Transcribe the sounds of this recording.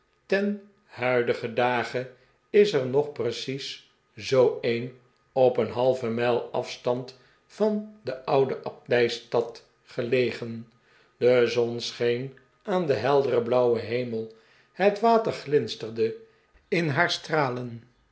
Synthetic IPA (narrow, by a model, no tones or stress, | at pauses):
tɛn | hœɥdəχədaːχə | ɪsəɹnɔχprəsis | zowejn | ɔpənɦɑlˠvəmɛlˠɑfstɑnt | fɑndəʔʌwdəʔɑp̚dɛjstɑt | χəlejχən | dəzɔnsχejn | ʔaːndəɦɛlˠdərəblʌwəɦejməlˠ | hətʋaːtəɹχlɪnstəɹdə | ɪnɦaːɹstraːlən